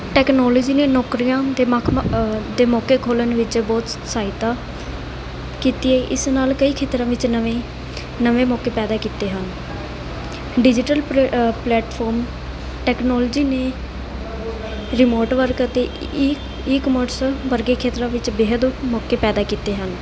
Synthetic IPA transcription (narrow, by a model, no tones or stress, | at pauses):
ʈɛːknɔːlɔːd͡ʒiːneːnɔːkɾijãːd̪eːkʰd̪eːmɔːkeːkʰoːlənʋɪt͡ʃbɔːt̪saːɪt̪aː | kiːt̪iːɛːʔɪsnaːlkəiːkʰeːt̪ɾãːʋɪt͡ʃe | nəʋẽːmɔːkeːpɛːd̪aːkiːt̪eːɦən | ɖɪd͡ʒɪʈəlplɛːʈpʰɔːɾm | ʈɛːknɔːld͡ʒiːneː | ɾɪmoːɾʈʋəɾkət̪eː | ɪkmoʈsʋəɾɡeːkʰeːt̪ɾãːʋɪt͡ʃbeːɦəd̪mɔːkeːpɛːd̪aːkiːt̪eːɦən